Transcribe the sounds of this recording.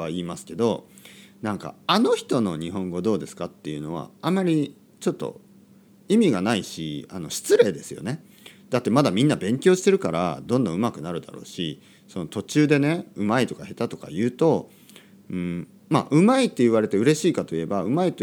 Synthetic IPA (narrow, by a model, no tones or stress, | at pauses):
aiːmasɨ̥ke̞d̪o̞nãŋka̰ano̞çi̥t̪o̞no̞ɲ̟iɦõ̞ŋɡo̞d̪o̞ːd̪e̞sɨ̥kat̪ːe̞jɯ̟no̞β̞a̰amːaɾʲi | t͡ɕo̞t̪ːo̞̰ | imʲiɡanaiɕḭa̰no̞ɕi̥t͡sɨɾe̞ːd̪e̞sɨjo̰ne̞ | d̪at̪ːe̞mad̪amʲĩnːabẽ̞ŋkʲo̞ːɕi̥t̪e̞ɾɯ̟kaɾa̰d̪õ̞nd̪õ̞ɯ̟makɯ̟naɾɯ̟d̪a̰ɾo̞ːɕi | so̞no̞t̪o̞t͡ɕɨːd̪e̞ne̞ɯ̟mait̪o̞kahe̞t̪at̪o̞ka̰jɯ̟ːt̪o̞ | ɯ̟̃ːɴ | ma̰ʔɯ̟mait̪ːe̞iβ̞aɾe̞t̪e̞ɯ̟ɾe̞ɕiːkat̪o̞ie̞baɯ̟mait̪ː